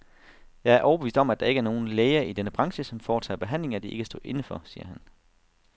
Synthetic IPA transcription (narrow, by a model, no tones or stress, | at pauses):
jɑ̈ɪæɐʔɒʊbe̝ḭːsd̥ɒ̽mæd̥ɑ̈e̝ɡəæɐno̝ːn̩leːɐʔid̥enəb̥ʁɑ̈ŋɕəsɒ̽mfɒːt͡sʰæ̰ːb̥e̝ɦæn̰le̝ŋæd̥ie̝ɡ̥ʰæsd̥o̰̽ːʔe̝nəfɒ̽sḭːɐɦæn